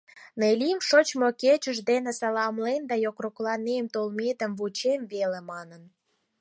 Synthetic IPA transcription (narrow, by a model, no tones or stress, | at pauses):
nelʲimʃot͡ɕmoket͡ɕəʒd̪enĕsɑlɑmlend̪ɑjokroklɑnemt̪olmet̪ə̆mβut͡ɕemβelemɑnən